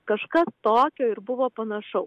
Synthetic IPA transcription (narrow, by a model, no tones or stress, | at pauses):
kɐʃkɐst̪oːkʲoːɪɾbʊʋoːpɐnɐʃɐʊ